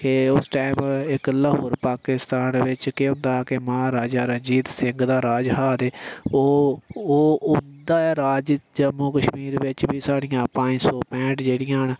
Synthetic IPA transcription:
keːʊsʈaːmɪkləɦoːɾpaːkɪst̪aːnʋɪt͡ʃkeɦʊ̃nd̪aːkemaːɾaːd͡ʒaːɾəɲd͡ʒiːt̪sɪŋɡd̪aːɾaːd͡ʒɦaːd̪eːoːoːʊnd̪aːɛːɾaːd͡ʒd͡ʒəmːuːkəʃmiːɾʋɪt͡ʃbiːsaːɽɪ̃jãːpãːsɔːpɛ̃ːʈd͡ʒeːɽɪjãːɦn

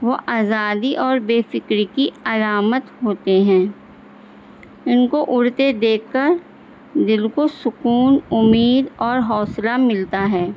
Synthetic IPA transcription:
ʋoʔaːzaːd̪iʔɔːɾbeːfɪkɾikiɐlaːmət̪ɦoːt̪eɦɛ̃ː | ɪnkoʔʊɽt̪ed̪eːkːəɾ | d̪ɪlkosʊkuːnʊmiːd̪ɔːɾɦɔːslamɪlt̪aɦɛː

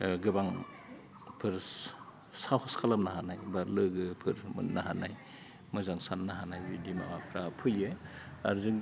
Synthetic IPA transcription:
ɡɯbaŋ | pʰɯɾ | sahɔskʰalamnahanajbaɾlɯɡɯpʰɯɾmɯ̰nnːaɦanaj | mɯzaŋsanːaɦanajbidimaakʰɾapʰɯjeaɾzɯŋ

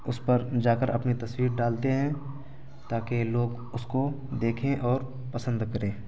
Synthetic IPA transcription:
ʊspɐɾd͡ʒaːkəɾʔɐ̰pnit̪ɐswiːɾɖaːlt̪eɦɛ̃ | t̪aːkeloːɡ | ʊsko | d̪eːkʰẽʔɔːɾ | pɐsə̃nd̪kɐɾẽː

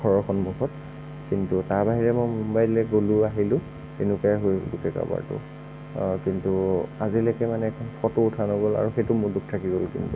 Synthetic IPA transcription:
kʰɔɹɔxɔnmuxɔt | kintutaɹbaɦiɹɛmojmumbajlɛɡoluaɦilʊ̃ | tenʊkaaɦojɡutɛka̰ba̰ɹtʊ̰ | kintuazilakɛmanɛkʰɔnfɔtoːtʰanoɡɔla̰ɹuxetʊmʊɹduk̚tʰakiɡolkḭntu

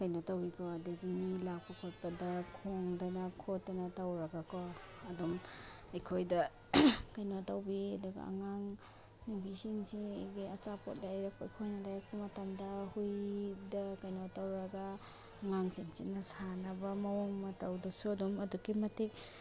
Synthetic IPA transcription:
kajnotawikʰɔɐduɡimilak̚pɐkʰot̚pɐdɐkʰoŋdanɐkʰotːɐnɐtawɾɐɡakɔ | ɐdɔm | ɐjkʰojdɐ | kajnotawbiɐduɡɐ̰a̰ŋaŋ | nibisinsiɡiɐt͡ʃapʰo̰t̚lajɾak̚pɐɐjkʰojnɐlajkʰumɐtamdɐhujdɐkajnotawɾɐɡa | ŋaŋsinsinɐsanɐbɐmɐwoŋmɐtawdusuɐdɔmɐdukimɐtik̚

